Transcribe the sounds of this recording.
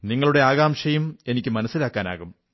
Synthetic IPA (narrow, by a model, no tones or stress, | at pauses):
niŋːɐɭuɽe̞aːɣaːmɕɐjume̞nikʲːɨmɐnɐsːilaːkːaːna̰ːɣum